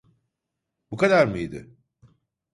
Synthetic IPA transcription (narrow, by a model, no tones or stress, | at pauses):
bukad̪aɾmɯjd̪ɪ̰